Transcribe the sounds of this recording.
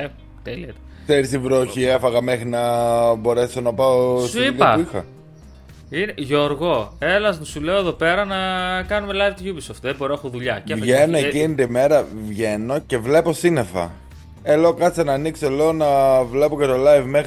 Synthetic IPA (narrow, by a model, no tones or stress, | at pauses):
t̪eliɐt̪ | kseɾist̪ivɾoçiefɐɣɐmexɾinɐbo̞ɾe̞so̞nɐpɐossiuʎɐɐpuixɐ̰ | ineʝoɾɣo̞e̞lɐzmusuleoeðo̞pe̞ɾɐnɐkɐnumelɐivt̪uʝubisoft̪ðeboɾinɐxoðuʎɐceɐvʝeno̞ecinit̪ime̞ɾɐvʝe̞no̞ce̞vle̞po̞sinefɐ̰ | elo̞ːkɐt͡senɐːniksoelo̞onɐvle̞po̞cet̪o̞lajvmex